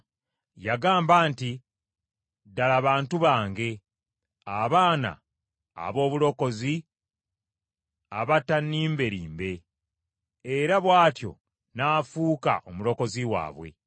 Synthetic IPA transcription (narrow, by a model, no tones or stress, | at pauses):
jaɡaːmbaːnti | dalaβaːntuβaːŋɡe̞ | aβaːna̰ː | βo̞ːβulo̞ko̞zi | a̰βatːanːiːmbe̞ɾiːmbe̞ | ɾaβwaːtjo̞̰ | naːfuːka̰ʔomulo̞ko̞ziwa̰ːβwe̞̰